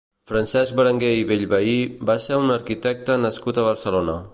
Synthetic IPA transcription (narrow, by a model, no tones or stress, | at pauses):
fɾansɛzk̚bəɾəŋɡeiβeʎβaibaseunəɾkit̪ɛk̚t̪ənəskut̪əβəɾsəlonə